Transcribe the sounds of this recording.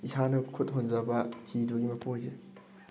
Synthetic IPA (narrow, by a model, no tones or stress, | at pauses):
isanɐkʰut̚ɦonzabahiduɡimɐpoze